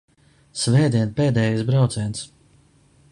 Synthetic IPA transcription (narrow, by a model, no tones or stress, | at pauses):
svɛːd̪iɛnpɛːd̪ɛːjisbɾawt̪sɛns